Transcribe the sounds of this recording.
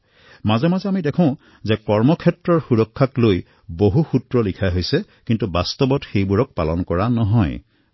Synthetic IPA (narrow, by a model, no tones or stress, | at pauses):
mazɛmazɛamidɛkʰɔ̃ʊ̃ | zɛkɔɹmɔkʰɛtɹɔɹxuɹɔkʰːakloj | boɦuxutɹɔlikʰaɦojsɛ | kintubastɔbɔtxejbuɹɔk̚pa̰lɔnkɔɹanɔɦɔj